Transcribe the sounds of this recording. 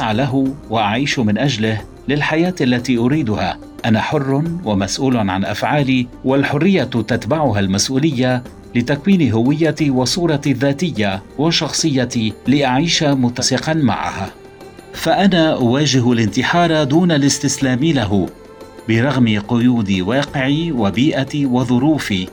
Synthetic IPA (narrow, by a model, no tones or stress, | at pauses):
sʕalaɦʊwaʔaʕiːʃmɪnʔaʒlɪh | lɪlħajaːt̪ʔalːat̪iːʔʊɾiːd̪ʊha̰ | ʔanaħʊrːwamasʔuːlʊʕa̰nʔa̰fʕaːliːwalħʊrːɪjːat̪at̪baʕʊɦalmasʔuːlɪjːa | lɪt̪akwiːnɪɦʊwɪjːat̪iwɑsˤuːɾˤɑðːaːt̪ɪjːawɑʃɑxsˤɨjːat̪ilɪʔaʕiːʃamʊt̪asɪqɑnma̰ʕa̰ha | faʔanaːʔʊwaːʒɪɦlɪnt̪ɪħɑːɾˤɑd̪uːnalɪst̪ɪslaːmɪlaɦʊ | bɪɾˤɑɣmɪqʊjuːd̪ɪwɑːqɪʕiwabiːʔat̪iwɑðˤʊɾuːfiː